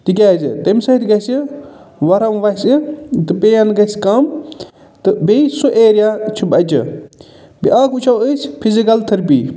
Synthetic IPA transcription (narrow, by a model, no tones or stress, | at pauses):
t̪ik̬ʲaːzḭt̪ɐmʲsɐit̪ʰʲɡɐsiʋɐɾɐmʋɐsɨt̪ɨpeɐnɡɐskɐm | t̪ɨbesuʔeːɾijaːt͡ʃʰubɐt͡ʃɨ̰ | biʔaːkut͡ʃʰɐwəsʲpʰizikɐlt̪ʰɨɾpḭː